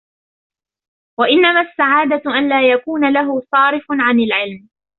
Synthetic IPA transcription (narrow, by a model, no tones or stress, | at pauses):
waʔɪnːamaːsːaʕaːd̪aʔanlaːjakuːnalaɦʊsˤɑːɾɪfʊnʕanɪlʕɪlm